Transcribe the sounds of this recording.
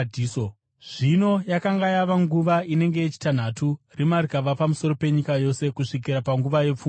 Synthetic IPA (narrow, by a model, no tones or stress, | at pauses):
iːso | ʐ̥ino̞jakaŋɡajaʋaŋɡuʋaine̞ŋɡe̞jet͡ʃi̥tan̤aturimarikaʋapamuso̞ɾo̞pe̞ɲikajo̞se̞kuʂik̬iɾapaŋɡuʋaje̞p͡fum